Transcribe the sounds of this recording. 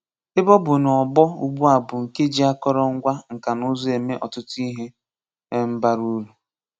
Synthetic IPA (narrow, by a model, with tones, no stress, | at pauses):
ɪ˦bɔ˦bʊ˨n˨ɔ˨bɔ˦u˦ɡ͡bu˦a˨bʊ˨ŋ̩˨ke˦d͡ʒi˦a˦kɔ˦ɾɔ˦ŋ̩˦ɡʷa˦ŋ̩˨ka˨nʊ˦zɔ˦e˨me˦ʔɔ˨tʊ˦tʊ˦i˦ɦe˦ | m̩˦ba˦ɾu˦lu˨